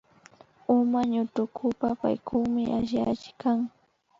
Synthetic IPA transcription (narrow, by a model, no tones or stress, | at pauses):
ʊmaɲʊt̪ʊkʰʊpapa̰jkʰʊmɪʔaʃa̰t͡ʃɪkaŋ